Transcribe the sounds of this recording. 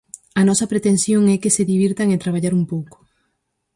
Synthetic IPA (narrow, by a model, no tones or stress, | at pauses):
ɐnɔsɐpɾet̪ensjoŋɛkeseðiβ̞iɾt̪aŋet̪ɾaβ̞aʎaɾumpowko̥